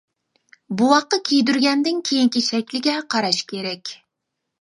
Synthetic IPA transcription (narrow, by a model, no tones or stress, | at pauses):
buwɑχqːɑkʲʰejd̪yɾɡʲɛnd̪ɪŋkʲʰejiŋkʲiʃɛkʲlɪɡʲɛqʰɑɾɑʃkʲʰeɾɛkʲ